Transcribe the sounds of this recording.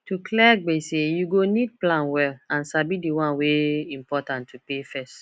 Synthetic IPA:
tuklɛɡ͡besejuɡonid̚plãnwɛlãnsabidiwãnweĩmpɔtãntʰːupefɛst

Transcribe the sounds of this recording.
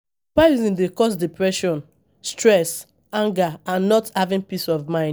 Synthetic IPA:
paɹizĩndekɔs̬dipɹɛʃɔ̃n | stɹɛs | ãŋɡaãnːɔthavĩnpisɔvmãɪ̃n

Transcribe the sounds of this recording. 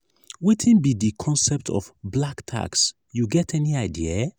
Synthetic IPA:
wetʰĩnbidikʰɔ̃nsɛp̚tʰɔ̰fblaktʰa̰ks | juɡɛtʰɛniaɪdia

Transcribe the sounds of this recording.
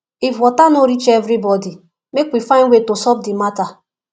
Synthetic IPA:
ifwɔtanoɾit͡ʃevɾibɔdi | mekwifãɪ̃nwʷetosɔp̚dimata

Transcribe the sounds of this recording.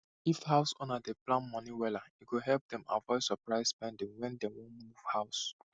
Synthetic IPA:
ifhaʊsɔ̃nadeplãnmɔ̃niwɛlaikuɦɛlp̚d̪ɛ̃ma̰vɔɪsɔpɹaɪspɛ̃ndĩŋwɛ̃ndɛwɔ̃muv̥haʊs

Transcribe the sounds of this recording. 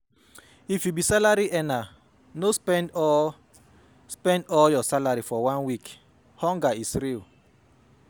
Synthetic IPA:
ifjubisalaɾiʔɛna | nospɛnd | spɛ̃ndɔljɔsalaɾifɔwãnwik | hɔ̃ŋɡaisɾil

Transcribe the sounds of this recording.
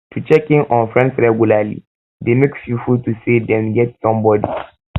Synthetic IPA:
tʰut͡ʃɛkɪ̃ŋʔɔ̃nfɹɛ̃nsɹɛɡulalḭ | demekfifultusedɛ̃nɡɛtsɔ̃mbɔdi

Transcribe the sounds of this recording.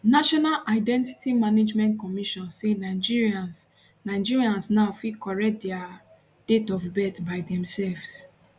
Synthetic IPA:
naʃɔnalʔaɪdɛ̃ntitimaned͡ʒmɛ̃ntkɔmiʃɔ̃nsenad͡ʒiɹiãns | naɪd͡ʒiɹiãnsnaʊfikɔɹɛk̚dɛa | d̥etɔfbɛtbaɪdɛ̃msɛlvs

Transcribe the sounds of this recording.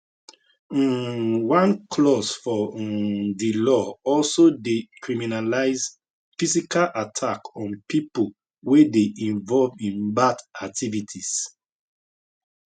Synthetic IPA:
wãnkʰlɔsfɔ | dilɔɔlsodekʰɹiminalaɪz | fisikalʔatʰakɔ̃npipol | wedeʔĩɱvɔlvĩnbadak̚tʰivitʰis

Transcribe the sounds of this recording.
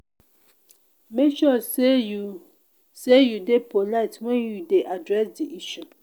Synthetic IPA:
mekʃɔseju | sejudepʰolaɪtwɛ̃njudeʔadɹɛsdiʔiʃu

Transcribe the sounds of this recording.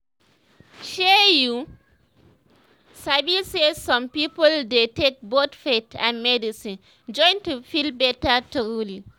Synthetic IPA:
ʃɛju | sabisezsɔ̃mpipəldetek̚botfetʰã̰nmɛdisĩn | d͡ʒɔ̃ɪ̃ntufilbɛtətuɡuli

